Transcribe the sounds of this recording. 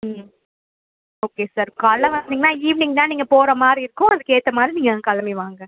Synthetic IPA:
oːkeːsaːɾkaːlːɐ̃ʋɐnd̪ɪŋɡɐnãːiːʋɪnɪ̃ŋɡt̪ãːniːŋɡɐpoːɾɐmaːdɾiɪɾɯkːʊ̃ɐðɯkːeːt̪ːɐmaːd̪ɾiniːŋɡɐkɐlɐmeʋaːŋɡɐ

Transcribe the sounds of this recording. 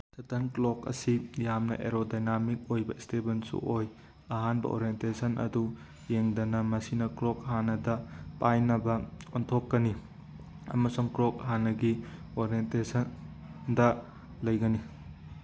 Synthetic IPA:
tʰɐtʰɐnklokɐ̰sijamnɐ̰ʔḛɾodajnamik̚ojbɐistebensṵʔoj | ɐɦanbɐ̰ʔo̰ɾientesɐnʔɐ̰du | jeŋdɐnɐmɐsinɐkɾok̚ɦanɐdɐpajnɐbɐontʰokːɐni | ɐ̰mɐsuŋkɾok̚ɦanːɐɡi | oɾentesɐn | dɐ | lɐjɡɐni

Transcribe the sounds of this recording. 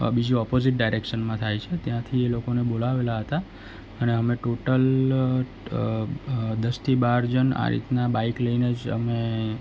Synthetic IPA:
bid͡ʒũɔpoziʈ̚ɖajɾekʃənmãt̪ʰajt͡ʃʰet̪jãt̪ʰielokonebolaʋelaɦət̪a | əneɦəmeʈoʈəl | d̪əst̪ʰibaɾd͡ʒəna̰ɾḭt̪nabaikləjned͡ʒə̰me

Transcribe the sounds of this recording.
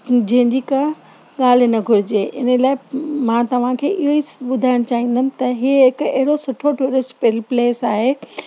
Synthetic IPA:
d͡ʑɐ̃ɦɪ̃ɲd͡ʑikã | ɠaːl̤nɐɡʱʊɾɪd͡ʑeːʔɪ̰nəlaːɪmãːt̪ɐʋ̤ãkʰeːʔɪɦoiɓʊd̪ʱaːɪɽ̃t͡ɕaːɦĩːn̆d̪əmɪ̃̆t̪ɐɦiɦɪkɐɦɪɽosʊʈʰoʈuːɾɪsʈpɪlpleːsaːɦeː

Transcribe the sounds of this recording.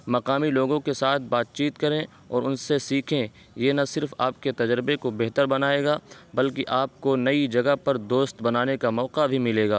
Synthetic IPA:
mɐqaːmiloːɡõkesaːt̪̚ʰbaːt̪̚t͡ʃiːt̪kɐɾẽ | ɔːɾʊnsesiːkʰẽ | jeːnɐsɪɾfa̰ːp̚ket̪ɐd͡ʒɾɪbekobeɦt̪əɾbɐnaːeːɡaːbɐlkiʔaːp̚konɐid͡ʒɐɡəpɐɾd̪oːst̪bɐnaːnekamɔːqabʱimɪleːɡaː

